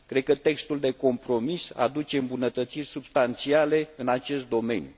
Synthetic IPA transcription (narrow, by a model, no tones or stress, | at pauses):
kɾe̞d̪̚kət̪e̞kst̪uld̪e̞ko̞mpɾo̞misa̰d̪ut͡ʃe̞ɨmbunət̪ət̪sirʲsubst̪ant̪siale̞ɨnat͡ʃe̞st̪̚d̪o̞me̞̰nju